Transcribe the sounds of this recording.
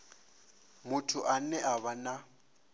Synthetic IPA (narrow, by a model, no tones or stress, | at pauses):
mʊtʰʊʔanɛʔaβana